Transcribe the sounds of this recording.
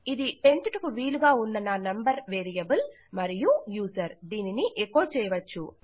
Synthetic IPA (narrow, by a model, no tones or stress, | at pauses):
id̪ipe̞ɳʈuʈukuʋiːluɡaːunːɐnanɐmbɐɾʋeːɾijɐbul | mɐɾijujuːsɐɾd̪iːniniʔekːoːt͡ʃɛːjɐʋɐt͡ʃːṵ